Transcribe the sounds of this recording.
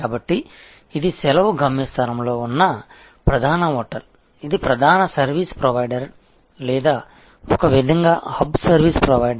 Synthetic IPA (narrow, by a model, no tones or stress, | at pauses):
kaːbɐʈːiː | d̪isɛlɐʋuɡʱɐmjɐst̪ʰɐɾɐmlo̞ːunːɐ | pɾɐd̪ʱaːnɐɦɔːʈɐl | id̪ipɾɐd̪ʱaːnɐsɐɾʋiːspɾoʋɐjɖɐɾ | lɛːd̪aː | ɔkɐʋid̪ʱɐŋɡaːhɐbsɐɾʋiːspɾoʋɐjɖɐ